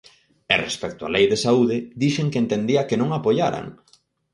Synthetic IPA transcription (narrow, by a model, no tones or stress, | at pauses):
ɛrḛspɛk̚t̪ʊa̰lejðesauðɪðiʃeŋkeent̪end̪iɐkɪnõŋapojaɾa̰ŋ